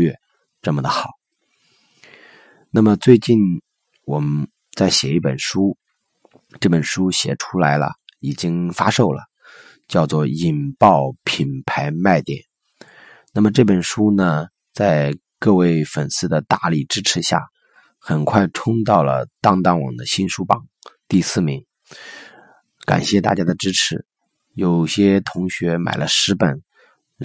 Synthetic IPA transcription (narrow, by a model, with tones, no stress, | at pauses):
ɥɛ˥˩ | ʈ͡ʂɤ˥˩mə˩d̪ə˩xɑ˨˩˦ | na˥˩mə˩t͡swe˥˧ɪt͡ɕi˥˩n | wɔ˨˩mə˦n | t͡sa˥˩ɪɕjɛ˨˩i˥˩pə˨˩nʂu˥ | ʈ͡ʂɤ˥˩pə˨˩nʂu˥ɕjɛ̰˨˩ʈ͡ʂʰu˥la˧˥ɪlə̰˧i˨˩t͡ɕi˥ŋfa˥ʂo˥˩ʊlə̰˩ | t͡ɕjɑ˥˧ʊt͡swɔ˥˩i˨˩npɑ˥˩ʊpʰi˨˩npʰa˧˥ɪma˥˩ɪt̪jɛ̰˨˩˦n | na˥˩mə˩ʈ͡ʂɤ˥˩pə˨˩nʂu˥nə˨ | t͡sa˥˧ɪ | kɤ˥˧we˥˩ɪfə˨˩nsɹ̩˥˩d̪ə˩t̪a˥˧li˥˩ʈ͡ʂɻ̩˥ʈ͡ʂʰɻ̩˧˥ɕja̰˥˩ | xə˨˩nkʰwa˥˩ɪʈ͡ʂʰʊ˥ŋt̪ɑ˥˩ʊlə̰˩t̪ɑ˥ŋt̪ɑ˥˩ŋwɑ̰˨˩ŋd̪ə˦ɕi˥nʂu˥pɑ˨˩˦ŋt̪i˥˧sɹ̩˥˩mi˧˥ŋ | ka̰˨˩nɕjɛ˥˧t̪a̰˥˩t͡ɕja˥d̪ə˨ʈ͡ʂɻ̩˥ʈ͡ʂʰɻ̩˧˥ | jo˨˩ʊɕjɛ˥t̪ʰʊ˧˥ŋɕɥɛ˧˥ma̰˨˩ɪlə˦ʂɻ̩˧˥pə˨˩n